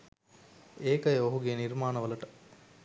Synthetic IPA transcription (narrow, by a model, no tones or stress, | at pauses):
eːkɐjoɦuɡeːniɾmaːnɐʋɐlɐʈɐ̥